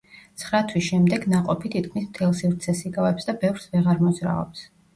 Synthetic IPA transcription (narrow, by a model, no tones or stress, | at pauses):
t̪sʰχɾat̪ʰwisʃɛmd̪ɛɡnaqʼɔpʰit̪ʰit̪̚kʰmismt̪ʰɛlˠsivɾt̪sʰɛsiɡavɛpsd̪abɛvɾsvɛʁaɾmɔzɾa̰ɔ̰ps